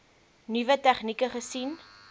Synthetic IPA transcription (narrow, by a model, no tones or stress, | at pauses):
nivətæχnikəχəsin